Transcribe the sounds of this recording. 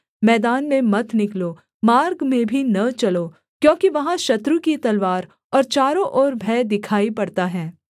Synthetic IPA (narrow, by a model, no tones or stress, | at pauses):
mɛːd̪aːnmẽmɐt̪ʰnɪkloː | maːɾɡmẽbʱinɐt͡ʃɐloː | kjõːkiʋɐɦãʃɐt̪ɾukit̪ɐlʋaːɾ | ɔːɾt͡ʃaːɾõʔɔːɾbʱɛːd̪ɪkʰaːipɐɽt̪aɦɛː